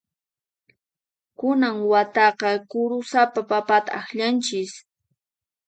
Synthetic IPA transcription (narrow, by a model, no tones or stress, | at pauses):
kʊnaŋwat̪ɑqɑkʊɾʊsapapapat̪a̰axʎant͡ʃɪs